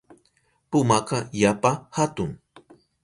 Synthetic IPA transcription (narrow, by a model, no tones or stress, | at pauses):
pʊmaqɑjapahat̪ʊŋ